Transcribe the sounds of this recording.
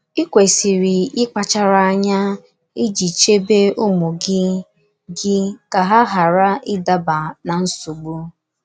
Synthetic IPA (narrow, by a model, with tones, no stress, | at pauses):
i˦kʷe˨si˨ɾi˨ɪ˦k͡pa˨t͡ʃa˦ɾa˦a˦ɲa˦ | i˦d͡ʒi˨t͡ʃe˦be˦u˦mu˨ɡɪ˦ | ɡɪ˦ka˨ɦa˦ɦa˨ɾa˦ɪ˦da˦ba˨na˨n̩˦su˨ɡ͡bu˦